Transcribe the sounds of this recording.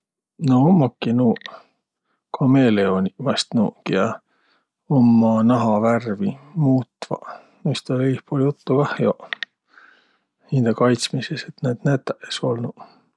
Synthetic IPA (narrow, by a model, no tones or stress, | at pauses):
noomːɑkːinuː | kʰɑmeleonimɑst̪nṵːkiɑ | omːɑnɑɦɑværvimuːt̪ːvɑ̰ | mist̪ɑeihpoljut̪ːukɑhjo | hind̪̥ekɑjt̪smiseset̪neːd̪̥næt̪ːˑæʔeso̞lnu